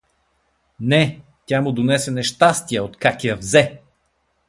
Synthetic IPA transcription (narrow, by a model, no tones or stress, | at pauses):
nɛ | t̪ʲjamʊd̪onɛsɛnɛʃt̪ast̪ijəot̪kakʲijəvzɛ